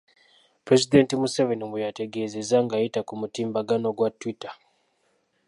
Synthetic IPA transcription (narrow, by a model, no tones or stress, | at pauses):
pɾezide̞ntimusevenimujate̞ɡe̞ːze̞zaŋɡajitakumutiːmbaɡano̞ɡwatwita